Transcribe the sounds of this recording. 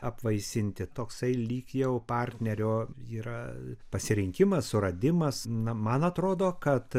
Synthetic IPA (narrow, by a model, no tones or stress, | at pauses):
ɐpʋɐɪsʲɪnʲt̪ʲɪt̪oːksɐɪlʲiːkjɛʊpɑːrʲt̪ʲnʲɛɾʲoːiːɾɐpɐsʲɪɾʲɪŋʲkʲɪmɐssʊɾɐd̪ʲɪmɐsnɐmɐnɐt̪ɾoːd̪oːkɐt̪